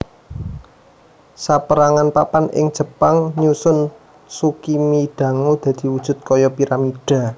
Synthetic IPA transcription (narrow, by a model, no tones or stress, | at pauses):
sapəɾaŋanpapanʔɪ̰ŋd̥ʒ̥ə̤paŋɲusʊn | sukimiɖ̪̥ä̤ŋod̪̥ä̤d̪̥i̤wud̥ʒ̥ʊ̤t̪̚kɔjɔpiɾamiɖ̥a̤